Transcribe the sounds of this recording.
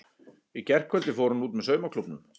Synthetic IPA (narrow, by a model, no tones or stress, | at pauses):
icɛr̥kʰvœt̪lɪfoːwɾunuːt̪mɛsœɥmakʰlupnʏ̰m